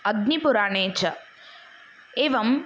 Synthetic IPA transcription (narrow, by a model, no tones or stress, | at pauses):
ɐɡ̚nipʊɾaːɳeːt͡ʃʰɐ | eːʋɐm